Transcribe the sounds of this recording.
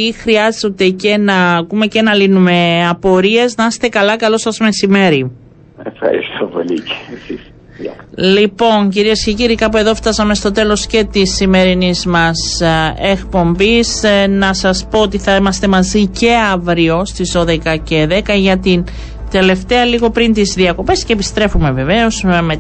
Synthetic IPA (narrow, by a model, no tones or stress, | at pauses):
ixɾiɐzot̪e̞cenɐːkume̞cenɐlinume̞ɐpo̞ɾie̞znɐɐse̥t̪e̞kɐlɐkɐlo̞sɐzme̞sime̞ɾi | efxɐ̰ɾḭst̪opo̰lice̥sis | lipo̞nɲciɾiesce̞ciɾikɐpue̞ðo̞ft̪ɐsɐme̞st̪o̞t̪e̞lo̞sce̞t̪isːime̞ɾinizmɐse̞kpo̞mbisnɐsɐspo̞ot̪iθɐimɐst̪e̞mɐzice̞ɐvɾio̞st̪izðo̞ðe̞kɐce̞ðe̞kɐʝɐt̪in | t̪e̞le̞ft̪e̞ɐliɣo̞pɾint̪izðiɐko̞pe̞sceːpist̪ɾe̞fume̞ve̞ve̞o̞sme